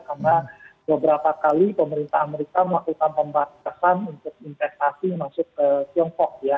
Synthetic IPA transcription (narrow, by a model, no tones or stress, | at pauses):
karnabəbəɾapakalipəməɾint̪aɦameɾikaməlakukanpəmbat̪asanunt̪ʊk̚infɛs̚t̪asimasʊkət̪iɔŋkɔk̚ja